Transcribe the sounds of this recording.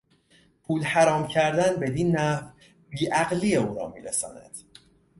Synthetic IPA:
pʰuːlhæɾɒːmcʰæɾd̪ænbe̞d̪iːnːæf | biːʔæɣlijeuːɾɒ̰ːmḭːɾesɒ̰ːnæ̰d̪̥

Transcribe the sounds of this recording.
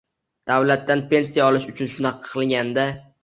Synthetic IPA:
d̪̥awlat̪ːanpe̞nsijaɒlɪʃʊt͡ʃʰʊnʃʊnaqʰːɨlˠɡʲand̪a

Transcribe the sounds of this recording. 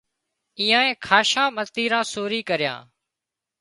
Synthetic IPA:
iːãːẽːkʰaːʃãːmət̪iːɾãːsoːɾiːkəɾɪjã̰ː

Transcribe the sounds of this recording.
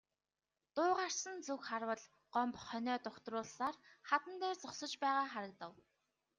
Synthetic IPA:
t̪ʊːʁar̥sə̆nt͡sukχarwə̆ɮ | ɢɔmpχœnʲœːt̪ʊkt̪rʊːɮsaːrχat̪ə̆nt̪æːrt͡sɔχsə̆t͡ɕpæːʁaːχaɾə̆k̚t̪ə̆w

